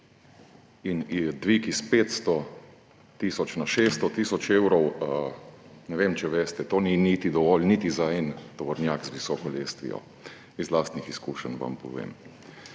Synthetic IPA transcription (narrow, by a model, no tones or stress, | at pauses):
inid̪ʋikispeːt̪st̪ɔ | t̪isɔt͡ʃnaʃeːst̪ɔt̪isɔt͡ʃewɾɔwə | nɛʋemt͡ʃɛʋest̪ɛt̪oːninit̪id̪ɔʋɔlnit̪izaɛnt̪ɔʋɔɾnjaːkzʋisɔːkɔleːst̪ʋḭjɔ̰ | izlaːst̪nixiskuːʃənʋa̰mpɔ̰ʋḛːm